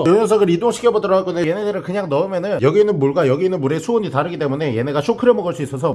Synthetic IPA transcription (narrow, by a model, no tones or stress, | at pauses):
joŋʌs̬ʰʌɡɯɾidoŋɕʰi̥kʰjʌbʌdɯɾʌɡaɭk͈ondejenedɯɾɯɭkɯɲaŋnʌɯmjʌnɯnjʌɡinɯnmuɭɡajʌɡiːnɯnmuɾe̞sʰuoɲitaɾɯɡit͈emune̞je̞ne̞ɡaɕʰokʰɯɾjʌmʌɡɯɭs͈uis͈ʌsʰʌ